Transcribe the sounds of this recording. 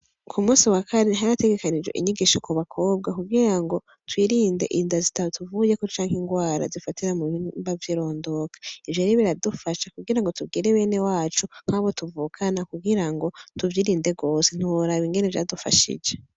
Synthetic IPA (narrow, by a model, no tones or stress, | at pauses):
kʰumuːsiwakʰaɾeɦaɾate̞ɡe̞kanid͡ʒe̞̰ʔḭɲiɡiʃokuβakʰo̞ːb̚ɡakubɡiɾaŋɡo̞ | twiɾiːnde̞ʔindazitaβotuvuje̞kot͡ʃaːŋhiŋɡwaːɾa̰zifatiɾamuimbavjiɾo̞ːndo̞kḁivjeɾiβiɾadufaʃakuɡiɾaŋɡo̞tubɡiɾeβe̞ːne̞waːt͡ʃuŋ̥haβo̞tuvuːkʰanakubɡiɾaŋɡo̞tuvjiɾiːnde̞ɡo̞ːsen̥uwoɾaβiŋɡe̞nevja̰dufa̰ʃḭd͡ʒe̞